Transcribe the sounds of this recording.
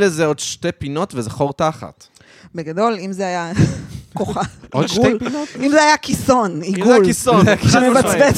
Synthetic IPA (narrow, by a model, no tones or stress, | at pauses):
lezeodʃtepino̞tvezaχoʁtaχa̰t̪ | beɡado̞limzeajakoχaodpnotimzeajakiso̞niɡujalkisoʃemevat͡sbe